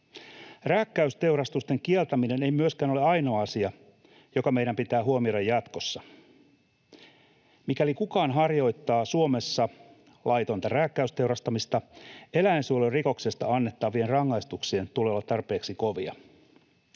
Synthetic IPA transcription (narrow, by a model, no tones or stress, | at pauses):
ræːkːæyst̪e̞wɾɑst̪ust̪e̞ŋkielt̪æmine̞ne̞jmyøskæːnoleɑjno̞ːɑsiɑ | jo̞kɑme̞jɾæmpit̪æːɦuomio̞ɾɑjɑt̪ko̞sːɑ | mikælikukɑːnɦɑrjo̞jt̪ːɑːsuome̞sːɑ | lʔɑjt̪o̞nt̪ɑræːkːæyst̪e̞wɾɑst̪ɑmist̪ɑe̞læensuoloriko̞kse̞st̪ɑ̰ɑnːe̞t̪ːɑːʋʋienrɑŋːɑjst̪uksient̪uleolːɑt̪ɑrpe̞ːksiko̞ʋiɑ̰